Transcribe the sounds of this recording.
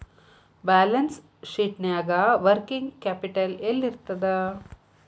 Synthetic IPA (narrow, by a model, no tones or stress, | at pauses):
baːlɐns | ʂiːʈnaːɡaʋɐɾkiŋɡkaːpiʈɐlelːiɾt̪ːɐd̪ɨ